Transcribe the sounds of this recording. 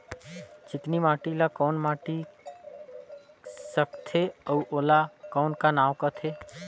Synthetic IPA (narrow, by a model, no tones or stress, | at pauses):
t͡ʃɪt̪nimaːʈilakɔːnmaːʈi | səkt̪ʰeəuʔoːlakɔːnkanaːwkət̪ʰeː